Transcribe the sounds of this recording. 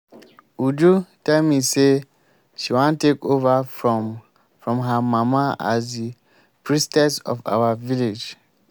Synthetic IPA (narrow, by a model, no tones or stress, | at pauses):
udutɛlmise | ʃiwãntekova | fɹɔ̃mɦamamaa̰zdi | pʰɹistɛsɔ̰fa̰waviled͡ʒ